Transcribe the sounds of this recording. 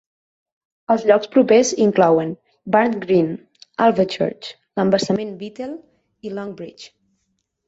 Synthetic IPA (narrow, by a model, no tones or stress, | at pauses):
əlˠzʎɔkspɾupeziŋklɔwən | baɾnɡɾin | alˠvət͡ʃə̰ɾt͡ʃ | ləmbəɾsəmenbit̪ɛlˠ | ilɔŋbɾit͡ʃ